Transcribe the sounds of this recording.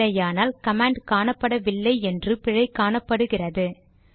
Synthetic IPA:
ɐjaːnaːlkɐmaːɳɖkaːɳɐpːɐɽɐʋɪlːɐɪɛndrɯpɪɻɐɪkaːɳɐpːɐɽɯɣɪrɐðɯ

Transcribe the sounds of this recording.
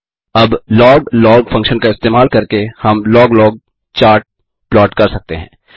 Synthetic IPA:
ɐblɔːɡlɔːɡfʰɐ̃ŋkʃənkaɪst̪eːmaːlkɐɾkehɐmlɔːɡlɔːɡ̚ | t͡ʃaːɾʈ̚ | plɔːʈkɐɾsɐk̚t̪eɦɛ̰̃ː

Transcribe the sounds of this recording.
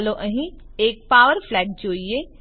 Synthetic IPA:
loʔəɦĩeːk̚paːʋəɾfʰlɛːɖ̚d͡ʒoːie

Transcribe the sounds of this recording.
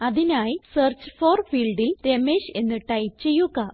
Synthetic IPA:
ɐðinaːjisert͡ɕɨ̥foːrfiːɭɖilɾemeːɕe̞nːiʈːɐjt͡ɕe̞jːuɣɐ

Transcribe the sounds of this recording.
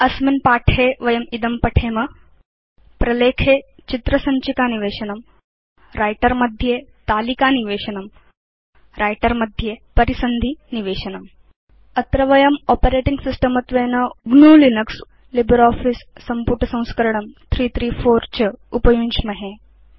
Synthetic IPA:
ɐsminpaːʈʰeːʋɐjɐmid̪ɐmpɐʈʰeːmɐ | pɾɐleːkʰeːt͡ʃit̪ɾɐsɐɲt͡ʃikaːniʋeːʃɐnɐm | ɾaːjʈɐɾmɐd̪ʱjeːt̪aːlikaːniʋeːʃɐnɐm | ɾʔaːjʈɐɾmɐd̪ʱjeːpɐɾisɐnd̪ʱiniʋeːʃɐnɐm | ɐt̪ɾɐʋɐjɐmɔːpɐɾeːʈiŋɡsisʈɐmɐt̪ʋeːnɐɡnuːlinɐks | libɐɾaːfisːɐmpuʈʰɐsɐ̃w̃skɐɾɐɳɐmt̪ʰɾiːt̪ʰɾiːfʰoːɾt͡ʃɐupɐjuɲt͡ʃmɐɦe

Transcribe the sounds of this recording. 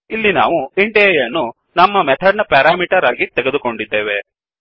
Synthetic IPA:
ilːina̰ːʋuiɳʈejɐnːu | nɐmːɐmɛt̪ʰɐɾnɐpɛːɾaːmiːʈɐɾaːɡit̪ɛɡed̪uko̞ɳɖid̪ːe̞ːʋe

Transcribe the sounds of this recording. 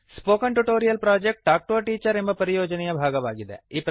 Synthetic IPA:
spoːkɐɳʈuʈoːɾijɐlpɾaːd͡ʒek̚ʈ̚ʈaːk̚ʈoːʈiːt͡ʃɐɾembɐpɐɾijoːd͡ʒɐnɛjɐbʱaːɡɐʋaːɡid̪eiːp

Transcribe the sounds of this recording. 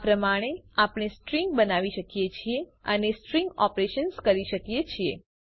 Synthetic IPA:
pɾəmaɽ̃eapɽ̃esʈɾiŋɡ̚bənaʋiʃəkijet͡ʃʰieə̰nesʈɾiŋɡɔpɾeʃənskəɾiʃəkijet͡ʃʰie

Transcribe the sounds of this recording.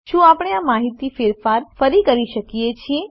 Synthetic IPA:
ʃũapəɽ̃eamaɦit̪ifeɾfaɾfəɾikəɾiʃəkijet͡ʃʰie

